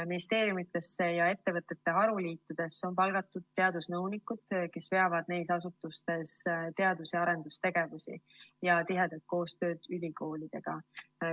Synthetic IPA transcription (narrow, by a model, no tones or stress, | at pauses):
minist̪e̞ːɾjumit̪ːˑe̞sːe̞jɑe̞t̪ːe̞vɤt̪ːˑe̞t̪ːe̞ɦɑɾuliːt̪ːˑud̪̥e̞sːo̞npɑlɡ̥ɑt̪ːˑud̪̥̚t̪ːe̞ɑd̪usnɤwnikːˑud̪̥ke̞sve̞ɑvɑd̪̥̚ne̞jsɑsut̪ːˑust̪e̞st̪e̞ɑd̪̥useɑɾe̞nd̪ust̪e̞ɡ̥e̞vusḭ | jɑt̪iɦe̞d̪̥elt̪̚ko̞ːst̪ø̞ːd̪̥ylʲiko̞ːlid̪̥e̞ɡ̥ɑ